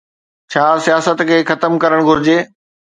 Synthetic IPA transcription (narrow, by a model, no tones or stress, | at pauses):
t͡ɕʰaːsijaːsət̪kʰeːxɐt̪əmkɐɾəɽ̃ɡʱʊɾɪd͡ʑeː